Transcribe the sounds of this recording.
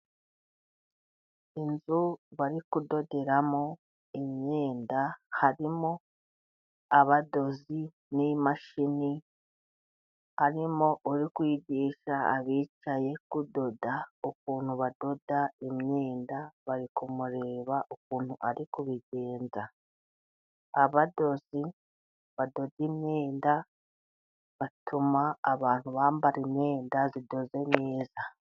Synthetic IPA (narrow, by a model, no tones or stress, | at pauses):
inzuβaɾikudo̞de̞ɾamo | imɲe̞ːndahaɾimo | aβado̞zi | nimaʃini | haɾimoʔuɾikwiːɟiːʃaa̰βiːt͡ʃaje̞kudo̞daokuːn̥huβado̞daemɲeːndaβaɾikumuɾe̞ːβaʔok̚uːn̥huʔaɾikuβiɟe̞ːnza | aβado̞zi | βado̞dimɲeːnda | βatʰumaːβaːn̥huβaːmbaɾimeːndazido̞zemeːza